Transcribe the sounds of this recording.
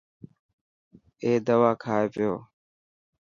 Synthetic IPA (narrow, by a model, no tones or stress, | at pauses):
eːd̪əʋaːkʰaːeːpɪjoː